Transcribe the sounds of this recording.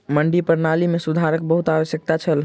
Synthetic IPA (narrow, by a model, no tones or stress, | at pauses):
məɳɖipəɾnalimesud̪ʱaɾək̚bəɦut̪aʋəsjək̚t̪at͡ʃʰəl